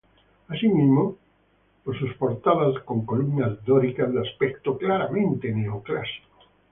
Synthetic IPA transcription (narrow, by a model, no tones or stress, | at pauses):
asimizmo | losuspoɾt̪aðaskõŋkolumnazdoɾikazðeaspekt̪oklaɾamẽnt̪eneoklasi̥ko̥